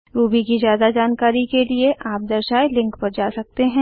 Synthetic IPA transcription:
ɾuːbʱikizjaːd̪ad͡ʒaːnkaːɾikelieʔaːp̚d̪ɐɾʃaːelɪ̃ŋkpɐɾd͡ʒaːsɐk̚t̪eɦɛ̃ː

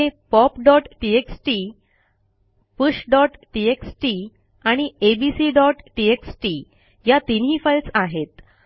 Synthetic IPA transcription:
epɔpɖɔʈʈieksʈi | puɕɖɔʈʈieksʈi | aɽ̃iebisiɖɔʈʈieksʈi | jat̪inɦifajlsaɦet̪

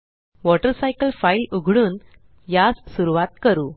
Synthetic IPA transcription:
ʋɔʈəɾsajkəlfailuɡʱɽuːn | jassuɾuʋat̪̚kəɾuː

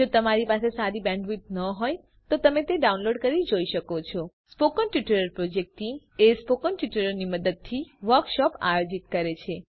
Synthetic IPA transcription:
d͡ʒot̪əmaɾipasesaɾibɛ̃ɳɖʋit̪̚nəɦoj | t̪ot̪əmet̪eɖaũnloɖkəɾid͡ʒoiʃəkot͡ʃʰɔ | spokənʈjuʈəɾəɾpɾod͡ʒek̚ʈi | espokənʈjuʈəɾəɾniməd̪əd̪̚t̪ʰiʋəɾkʃɔpa̰jod͡ʒit̪kəɾet͡ʃʰe

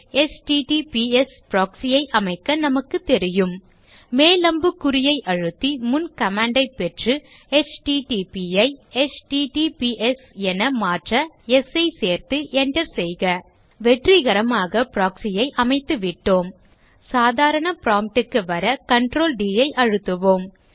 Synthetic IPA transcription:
ɛsʈiʈipiɛspɾaːksɪjɐɪʔɐmɐɪkːɐnɐmɐkːɯt̪ːɛɾɪjɯmː | eːlɐmbɯkːʊɾɪjɐɪʔɐɻɯt̪ːimʊnkɐmaːɳɖɐɪpːɛʈrɯ | ɛt͡ʃʈiʈipiɐɪɛt͡ʃʈiʈipiʔɛsɛnɐmaːʈrɐ | ɛsɐɪseːɾt̪ɯʔɛɳɖɐɾsɛjɣɐ | ʋɛʈriɣɐɾɐmaːɣɐpɾaːksɪjɐɪʔɐmɐɪt̪ːɯʋɪʈːoːm | saːðaːɾɐɳɐpɾaːmp̚ʈɯkːɯʋɐɾɐkɐɳʈɾoːlɖiːjɐɪʔɐɻɯt̪ːɯʋoːm

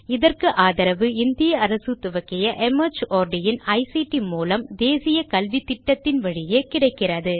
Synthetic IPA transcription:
ɪðɐrkɯʔaːðɐɾɐʋɯɪnd̪ɪjɐːɾɐsɯt̪ɯʋɐkːɪjɐʔɛmɐt͡ʃʔoːɾɖɪjɪnɐɪsiʈimuːlɐmd̪eːsɪjɐkɐlʋit̪ːɪʈːɐt̪ːɪnʋɐɻɪjeːkɪɽɐɪkːɪrɐðɯ

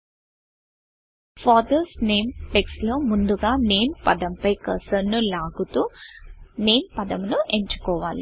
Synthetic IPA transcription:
faːd̪ɐsneːmʈekslo̞ːmund̪uɡaːne̞ːnpɐd̪ɐmpɐjkɐsɐnːulaːɡut̪uː | ne̞ːnpɐd̪ɐmnue̞ɲt͡ʃu̥kɔːʋaːli

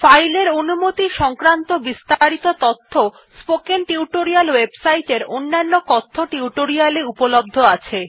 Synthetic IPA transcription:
fajleɾonumot̪iʃɔŋkɾant̪obist̪aɾit̪ot̪ot̪ʰːo | spokenʈiuʈoɾialwebsajʈeɾonːanːokɔt̪ʰːoʈiuʈoɾialeupolob̚d̪ʱoat͡ɕʰe

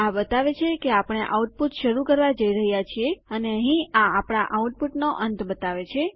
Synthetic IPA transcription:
abət̪aʋet͡ʃʰekeapəɽ̃eʔauʈ̚put̪ʃəɾukəɾʋad͡ʒəiɾəɦjat͡ʃʰieəneəɦĩaapɳ̃aʔauʈ̚puʈnoʔənt̪bət̪aʋet͡ʃʰe

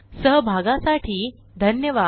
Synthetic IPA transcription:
səɦbʱaɡãsaʈʰiː | d̪ʱənjəʋa

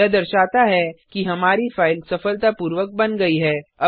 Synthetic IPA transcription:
ɛd̪ɐɾʃaːt̪aɦɛkiɦɐmaːɾifaːɪlsɐfəlt̪apuːɾʋək̚bɐnɡɐiɦɛːɐ

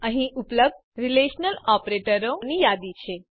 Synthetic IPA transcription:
əɦĩʔupləb̚d̪̚ | ɾileʃnəlɔpɾeʈəɾonijad̪it͡ʃʰe

